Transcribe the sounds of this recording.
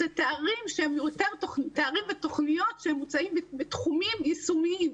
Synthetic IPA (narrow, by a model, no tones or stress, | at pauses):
zet̪eaʁimʃehemjut̪eʁt̪ot̪eaʁimvet̪o̞χnijo̞tʃehemːut͡saimbbet̪χumimisumiim